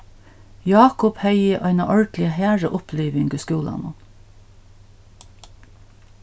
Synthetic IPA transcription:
jɑːkʊphœʏɪʔɑɪnɑʔɔɹɖlɪəhæːɹəʔʊpʰliːʋɪŋɡəskʉːlɑ̰nʊ̰n

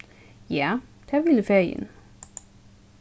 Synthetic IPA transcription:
jæd̪̥æʋiləfeɐjə̰n

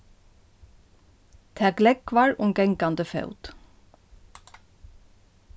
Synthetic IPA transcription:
t̪ʰæːɡlɛkʋɑːɹʊmɡɛŋkɑnd̪əfœ̰ʉt̪

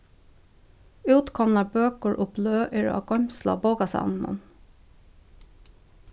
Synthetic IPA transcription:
ʉːt̪kʰɔmnɑbøːkəɹʔʊpløːʔɪɹɑ̰ːɡɔmslɑ̰boːɡɑsɑ̰nmɔ̰n

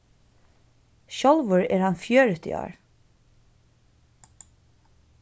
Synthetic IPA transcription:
ʃɔlʋəɹɛ̰ːɹhanfjøːɹʏt̪ɪ̰ʔɔ̰ːɹ

